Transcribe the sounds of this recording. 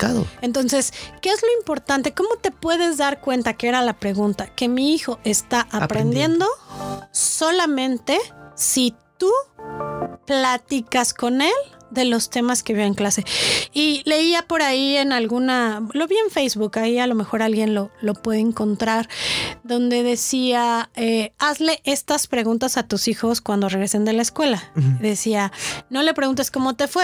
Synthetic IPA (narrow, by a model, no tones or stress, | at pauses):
kaðoent̪o̞nse̞ske̞ezlo̞impo̞ɾt̪ant̪e̞ko̞mo̞t̪e̞pwe̞ðe̞zðaɾkwe̞nt̪akeeɾalapɾe̞ɣunt̪ake̞miixo̞ʔe̞st̪aʔapɾend̪je̞nd̪o̞ | so̞lamẽ̞nt̪e̞sit̪u | plat̪ikasko̞ne̞ld̪e̞lo̞st̪e̞maske̞βieŋklase̞ile̞iapo̞ɾaie̞nalɣunalo̞βie̞ɱfejzβukaialo̞me̞xo̞ɾalɣje̞nlo̞lo̞pwe̞ðeeŋko̞nt̪ɾaɾðo̞nd̪e̞ðe̞siaeazle̞ʔe̞st̪aspɾe̞ɣũnt̪asat̪usixo̞skwand̪o̞re̞ɣɾe̞se̞nd̪e̞laeskwe̞laiðe̞siano̞le̞pɾeɣunt̪̬esko̞mo̞t̪e̞fwe